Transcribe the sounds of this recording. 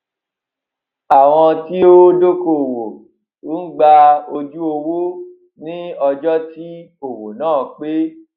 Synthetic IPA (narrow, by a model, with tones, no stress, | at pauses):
a˨w̃ɔ̃˧ti˦o˦do˦ko˨wo˨ | u˦ɡ͡ba˧o˧d͡ʒu˦o˧wu˦ | nĩ˦ɔ˧d͡ʒɔ˦ti˦ | o˨wo˨nãː˦˨k͡pe˦